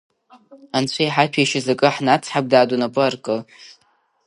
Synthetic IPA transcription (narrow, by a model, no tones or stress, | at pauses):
ant͡ɕʷʰajħapʰaʃazakʼɨħnat͡sʰħak̚ʷʼdaːdʼunapʼɨarkʼɨl